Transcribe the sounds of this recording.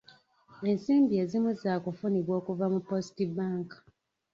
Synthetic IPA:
e̞nsiːmbie̞zimuzaːkufuniβwo̞ːkuvamupo̞si̥tibaːŋkḁ

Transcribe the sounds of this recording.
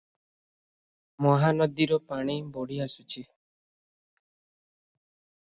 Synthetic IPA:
mɔɦanɔd̪iɾɔpaɽ̃ibɔɽiasut͡ʃʰi

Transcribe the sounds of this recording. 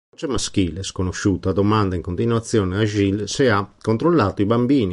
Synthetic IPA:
t͡ʃemaskiːleskonoʃːuːt̪ad̪omand̪aiŋkont̪inwat̪sːjɔːneaʒilseakont̪ɾolːaːt̪oibambiːni

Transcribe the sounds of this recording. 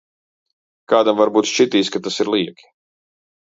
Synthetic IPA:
kaːd̪amvaɾbuːt̪ʃt͡ʃit̪iːskat̪asiɾlˠiɛkʲi̥

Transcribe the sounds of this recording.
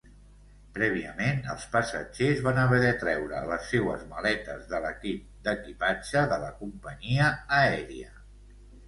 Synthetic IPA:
pɾɛβ̞iəmenə̰lˠspəsəd͡ʒezβanəβɛðɛt̪ɾɛwɾə̰ləsːewə̰zməlɛt̪əzðələkip̚d̪əkipad͡ʒəðələkumpəɲiəːɛɾiə

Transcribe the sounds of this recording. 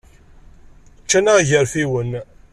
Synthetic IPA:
t͡ʃːænaʝəɾfiwən

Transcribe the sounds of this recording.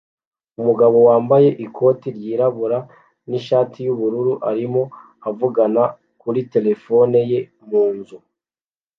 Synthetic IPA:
umuɡaβo̞waːmbaje̞ʔikʰo̞ːtiɾɟiːɾaβuɾa | niʃaːtʰijuβuɾuɾuʔaɾimo̞ | avuɡana | kuɾite̞le̞fo̞ne̞je̞ | muːnzu

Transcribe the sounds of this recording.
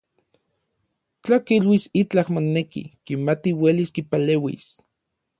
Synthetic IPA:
t͡ɬakilwisit͡ɬahmonːekḭkimat̪iweliskipaleːwḭs

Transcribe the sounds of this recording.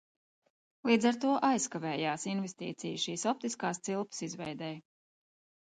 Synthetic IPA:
lˠiːd̪zaɾt̪uɔʔajskavɛːjaːsinvest̪ḭːt̪sḭjʃiːsɔp̚t̪iskaːst̪silˠpsizvɛjd̪ɛj

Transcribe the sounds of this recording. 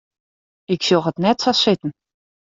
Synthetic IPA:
ɪksølˠɦətnɛtsɑsɪtən̩

